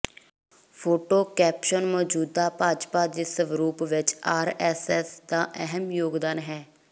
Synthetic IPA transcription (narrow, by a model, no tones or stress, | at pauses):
pʰoːʈoːkɛːpʃənmɔːd͡ʒuːd̪aːpaːd͡ʒpaːd̪iːsəʋɾuːpʋɪt͡ʃaːɾɛːsɛːsd̪aːʔəɦəmjoːɡd̪aːnɦɛː